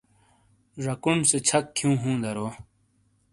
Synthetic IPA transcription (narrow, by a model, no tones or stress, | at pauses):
ʐɐkunset͡ɕʰɐkkʰːjũːɦũːd̪ɐɾoː